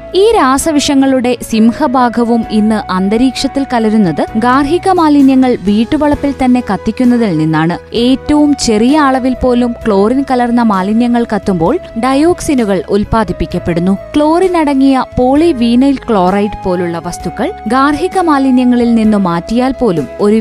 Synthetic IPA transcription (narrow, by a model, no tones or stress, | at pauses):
iːɾaːsɐʋiʂɐŋːɐɭuɽe̞simhɐbʱaːɡʱɐʋumʔinːɨʔɐnd̪ɐɾiːkʂɐt̪ːilkɐlɐɾunːɐðɨɡaːrɦiɣɐmaːlinjɐŋːɐɭʋiːʈːuʋɐɭɐpːilt̪ɐnːe̞kɐt̪ːikʲːunːɐðilninːaːɳɨe̞ːtːɐʋumt͡ɕe̞rijɐaːɭɐʋilpo̞ːlumkɭo̞ːrinkɐlɐrnːɐmaːlinjɐŋːɐɭkɐt̪ːumbo̞ːɭɖɐjo̞ːksinuɣɐɭulpaːd̪ʱipːikʲːɐpːe̞ɽunːukɭo̞ːrinɐɽɐŋːijɐpo̞ːɭiʋiːnɐjlkɭo̞ːrɐjʈpo̞ːluɭːɐʋɐst̪uɣːɐɭɡaːrɦiɣɐmaːlinjɐŋːɐɭilninːumaːtːijaːlpo̞ːlumo̞ɾu